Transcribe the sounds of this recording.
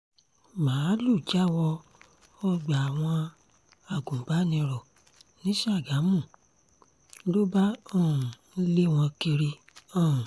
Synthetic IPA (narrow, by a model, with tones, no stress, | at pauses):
mãː˨˦lu˦˨d͡ʒa˦wɔ˧ | ɔ˧ɡ͡ba˨a˨w̃ɔ̃˧ | a˨ɡũ˨ba˨˦nĩ˧ɾɔ˨ | nĩ˨˦ʃa˦˨ɡa˨˦mũ˦˨˦ | lo˦ba˦ɔ̃˦˨ũ˨˦le˦w̃ɔ̃˧ki˧ɾi˧ | ɔ̃˦˨